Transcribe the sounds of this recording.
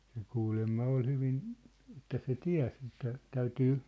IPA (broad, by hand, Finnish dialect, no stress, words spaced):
se kuːlemːɑ ol hyʋin ĕtˑæ se tiæ̝s ĕtːæ tæytyː